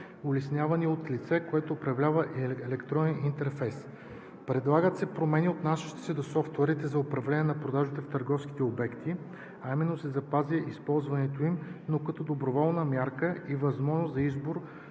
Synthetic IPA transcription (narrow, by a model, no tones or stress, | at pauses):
ʊlɛsnʲjavɐniot̪lit̪sɛkoɛt̪oːpɾɐvlʲavɐʔɛlɛkt̪ɾɔnɛnint̪ɛɾfɛjs | pɾɛd̪lˠaɡət̪sɛpɾomɛniot̪naʃi̥t̪ɛ̥sɛd̪osɔft̪ʊɛɾit̪ɛzɐopɾɐvlɛnʲɛnɐpɾod̪aʒit̪ɛft̪ɐɾɡɔfski̥t̪ɛobɛkt̪i | aimɛnːosɛzɐpaziəʔispɔlˠzvɐnɛt̪oimnokɐt̪ɔd̪obɾovɔlˠnəmʲjaɾkəivɐzmɔʒnoszɐizboɾ